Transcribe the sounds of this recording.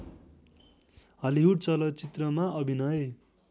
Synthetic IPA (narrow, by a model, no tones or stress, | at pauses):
ɦʌliɦuʈt͡sʌlʌt͡sit̪rʌmaʌbʱinʌje